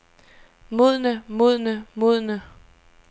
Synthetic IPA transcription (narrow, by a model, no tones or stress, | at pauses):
muð̰ˠnəmuð̰ˠnəmuðˠnə